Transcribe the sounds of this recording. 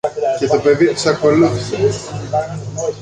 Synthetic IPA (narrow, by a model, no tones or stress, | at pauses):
ce̞t̪ope̞ðisɐko̞luθises